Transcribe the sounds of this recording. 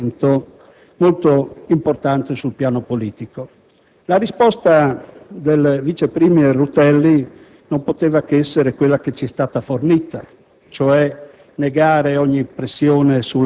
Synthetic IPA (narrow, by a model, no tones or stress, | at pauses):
nt̪o | molt̪oimport̪ant̪esulpjaːnopoliːt̪iko | laɾispɔst̪ad̪elvit͡ʃepɾimierut̪ɛlːi | nompot̪eːvakeɛsːeɾekwelːaket͡ʃiɛst̪aːt̪afornit̪a | t͡ʃoɛ | neɡaːɾeɔɲːipɾesːjoːnesul